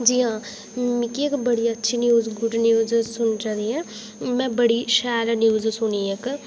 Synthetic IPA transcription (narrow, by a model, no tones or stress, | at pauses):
d͡ʒiːɦãː | mɪkiekbəɽiːətːʃʰiːnjuːzɡʊɖnjuːzsʊnt͡ʃaːɾiːɛː | mɛ̃ːbəɽiːʃɛːɾnjuːzsʊniːek